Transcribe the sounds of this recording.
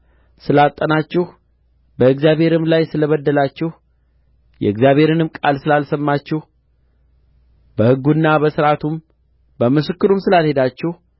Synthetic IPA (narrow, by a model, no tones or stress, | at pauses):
sɨlat̪ʼːənat͡ʃːɪh | bəɨɡzjaβhe̞ɾɨmlajsɨləβəd̪ːəlat͡ʃːɪh | jɛ̰ɨɡzjaβhe̞ɾɨnɨmkʼalsɨlalsəmːat͡ʃːɪh | bəhɨɡːunːabəsɨɾat̪ʰum | bəmɨsɨkːɨɾumsɨlalhe̞d̪at͡ʃːɪh